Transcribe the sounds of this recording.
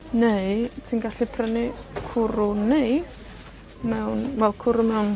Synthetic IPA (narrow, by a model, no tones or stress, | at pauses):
nejtʰiːnɡaɬipʰrənikʰʊɾʊnejs | mɛwnvɛlˠkʰʊɾʊmɛwn